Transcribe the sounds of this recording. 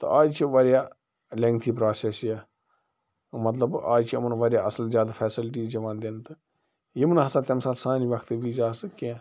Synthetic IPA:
t̪o̰ʔaːd͡ʒt͡ʃʰiʋɐɾjaː | lẽŋkt̪ʰiːpɾaːsesjaː | mɐt̪ləbaːd͡ʒt͡ʃʰimənʋɐɾjaːɐsəlzjaːd̪afʰɛːsɪlʈ̬iːzd͡ʒɐʋãːnd̪ent̪ɨ | jimnɦɐsãːt̪ʲemsaːlsãːniʋɐkʰt̪ʋiːzaːsɨkiãː

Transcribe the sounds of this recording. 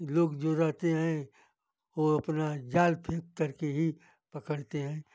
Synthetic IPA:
loːɡd͡ʒoɾəɦt̪eɦɛ̃ | ʋoɐpnad͡ʒaːlpʰeːkkɐɾkeɦi | pɐkəɽt̪eɦɛ̃ː

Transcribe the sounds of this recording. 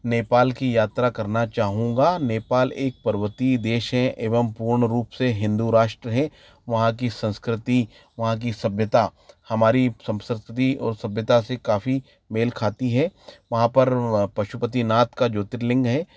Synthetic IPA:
neːpaːlkijaːt̪ɾakɐɾnat͡ʃaːɦũːɡaːneːpaːleːk̚pɐɾʋət̪id̪eːʃɦɛ̃ʔeːʋəmpuːɾɳəɾuːpseɦɪ̃nd̪uɾaːʃʈɾəɦɛ̃ | ʋɐɦãk̬isɐ̃nskɾɪt̪i | ʋɐɦãk̬isɐbʱjət̪ahɐmaːɾisɐ̃mskɾɪt̪t̪iʔɔ̰ːɾsɐbʱjət̪asekaːfi | meːlkʰaːt̪iɦɛʋɐɦãpɐɾpɐʃupət̪inaːt̪kad͡ʒoːt̪ɪɾlɪ̃ŋɡɦɛː

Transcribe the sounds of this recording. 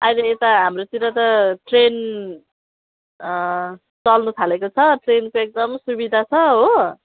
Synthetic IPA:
ʌjnʌet̪aɦamrot̪iɾʌt̪ʌʈren | t͡sʌlnut̪ʰalekot͡sʰʌʈrenkoek̚d̪ʌmsubid̪ʱat͡sʰʌɦo

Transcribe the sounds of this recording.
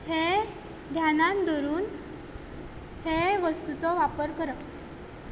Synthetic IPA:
he | d̪ʱjanand̪ɔɾuːn | heʋəst̪ut͡sɔʋapəɾkəɾə

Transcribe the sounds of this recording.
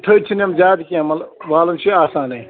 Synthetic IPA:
ʈ̪ʰəːt͡ʃʰiniɐmd͡ʒaːd̪kiɦɐmɐlʋaːlɐnt͡ʃʰiaːsãːnɐi

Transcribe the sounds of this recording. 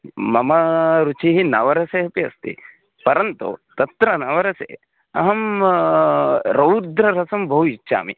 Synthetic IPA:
mɐmɐɾut͡ʃiɦinɐʋɐɾɐseɦɐpiɐ̰st̪ḭ | pɐɾɐnt̪ṵt̪ɐt̪ɾɐnɐʋɐɾɐsḛ | ɐ̰ɦɐm | ɾɐwɾd̪ɾɐɾɐsɐmbʱɐuit͡ʃːʃa̰ːmḭ

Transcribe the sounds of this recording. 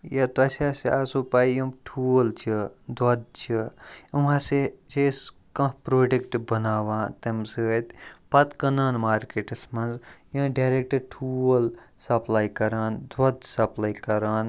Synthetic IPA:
jɐt̪oɐsʲaːsaːsupaːijɐ̃ʈʰult͡ʃʰid̪ɐd̪̚t͡ʃʰiumãːset͡ʃes | kɐ̃ɦpɾoːɖekʈbɐnaːʋãːt̪ɐmsɨt̪pɐt̪kɐnaːnmaːɾkeʈɐsmɐnzjɐ̃ɖaɾek̚ʈɐɾʈʰuːlsɐplaːikɐɾaːnd̪ɐd̪sɐplaːikɐɾaːn

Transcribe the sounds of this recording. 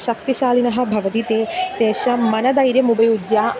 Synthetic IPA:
ʃɐk̚t̪iʃaːlinɐɦɐ̆bʱɐʋɐt̪it̪eːt̪eːʃɐmɐnɐd̪ɐjɾjɐmubɐjud͡ʒjaː

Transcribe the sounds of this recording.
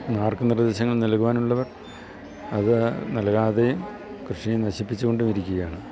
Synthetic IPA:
naːrkɨnird̪eːɕɐŋːɐɭnɐlkuʋaːnuɭːɐʋɐr | ɐðɨnɐlɣaːðejum | krɨʂienɐɕipːit͡ɕːuɣo̞ɳɖumiɾikʲːuɣɐjaːɳɨ

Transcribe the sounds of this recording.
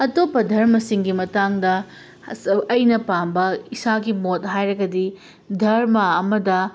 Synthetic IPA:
ɐtopːɐdʱɐɾmɐsiŋɡimɐtaŋdɐ | ɐjnɐpambɐisaɡimot̚ɦajɾɐɡɐdi | dʱɐɾmɐɐmɐdɐ

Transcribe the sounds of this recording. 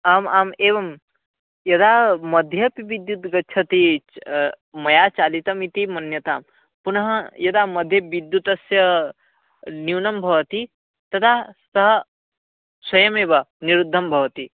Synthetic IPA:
aːmaːmeːʋɐm | jɐd̪aːmɐd̪ʱjɐpiʋid̪jut̪ɡɐt͡ʃʰɐt̪i | mɐjaːt͡ʃaːlit̪ɐmit̪imɐnjɐt̪aːm | punɐɦɐjɐd̪aːmɐd̪ʱjɐʋid̪jut̪ɐsjɐ | niwnɐmbʱɐʋɐt̪i | t̪ɐt̪ʰasɐɦɐ | swɐjɐmeːbɐniɾud̪ʱːɐmbʱɐʋɐt̪i

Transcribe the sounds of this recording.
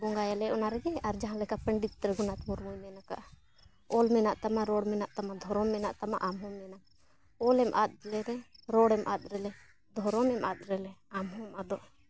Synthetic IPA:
bɔŋɡajalɛʔɔnaɾɛɡɛaɾd͡ʒaɦãlɛkapəɳɖit̪̚ɾɛɡɔnat̪mɔɾmujmɛnaka̰ʔa | ɔlmɛnaʔt̪amaɾɔɽmɛnaʔt̪amad̪ʱɔɾɔmɛnaʔt̪ama̰ʔamɦɔmɛnak | ɔlɛmʔat̪̚lɛɾɛɾɔɽɛmʔa̰t̪̚ˀɾɛlɛ | d̪ʱɔɾɔmɛma̰t̪̚ɾɛlɛamɦɔ̃mad̪ɔʔ

